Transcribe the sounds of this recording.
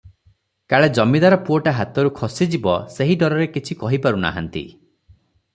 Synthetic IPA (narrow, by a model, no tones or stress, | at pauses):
kaɭed͡ʒɔmid̪aɾɔpuoʈaɦat̪ɔɾukʰɔsid͡ʒibɔseɦiɖɔɾɔɾekit͡ʃʰikɔɦipaɾuna̰ɦa̰nt̪ḭ